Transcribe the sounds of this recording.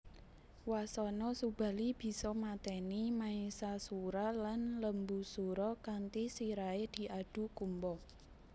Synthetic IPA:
wasɔnɔsub̥a̤lib̥i̤sɔmat̪ɛnimaisasuɾalanləmbusuɾɔkant̪isiɾaed̪̥i̤ʔaɖ̥ṳkumbɔ

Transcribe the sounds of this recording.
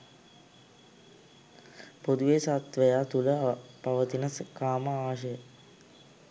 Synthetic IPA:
pod̪uʋesat̪ʋəjaːt̪uləpaʋət̪inəskaːməaʋʃ̬əjə

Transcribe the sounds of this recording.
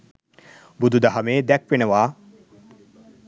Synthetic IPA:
bud̪ʱud̪aɦamed̪ɛk̚ʰpenewa

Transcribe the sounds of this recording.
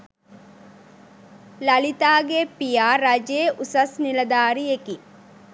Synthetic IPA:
lɐlit̪aːɡepijaːɾɐd͡ʒeʔusɐsnilɐd̪aːɾieki

